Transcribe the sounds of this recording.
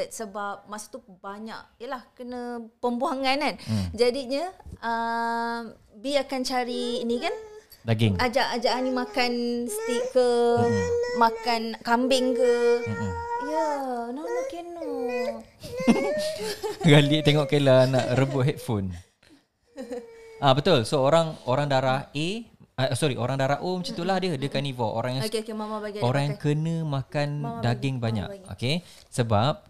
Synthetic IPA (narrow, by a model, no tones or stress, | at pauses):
t̪̚səbap̚maʔsu̥t̪ubaɲa̰ʔjəlahkənə̃pəmbuaŋanand͡ʒadiɲəə | biakant͡ʃaɾiːnikandaɡɪŋad͡ʒaʔad͡ʒaʔanimakanst̪iʔ̚kə | makankambɪŋkə | janaʔmakinːo | ɡalit̪eŋɔʔkəlanaʔɾəbʊʔɦɛt̪̚fon | ʔabət̪ʊlsooɾaŋoɾaŋdaɾaheasɔɾiʔoɾaŋdaɾahomət͡ʃat̪ulahdiədiəkanivɔʔo̰ɾãŋjãkmamaaoɾaŋjaŋkənə̃mãkandaɡɪŋbaɲa̰ko̰ke | səbap̚